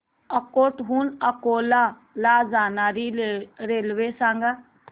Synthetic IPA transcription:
əkoːʈɦuːnəkoːla | laːzaːnaːɾiɾeːlʋesãːŋɡa

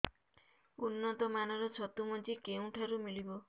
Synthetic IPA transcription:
unːɔt̪ɔmanɔɾɔt͡ʃʰɔt̪umɔnt͡ʃikeũʈʰaɾumilibɔ

